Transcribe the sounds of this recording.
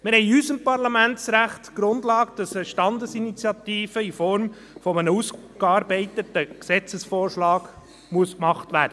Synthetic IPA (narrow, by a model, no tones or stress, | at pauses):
mɪɾhɛɪysəmpɑɾlɑmæntsɾæχtɡ̥ɾʊndlɑːkd̥ɑsəʃtɑndəsinit͡sjɑt̪iːfəifɔɾm | fɔmənəus | kɑːɾbɛɪtətəksɛt͡səsfoːrʃlɑːɡ̥ | muəskmɑχtvæːɾd̥ə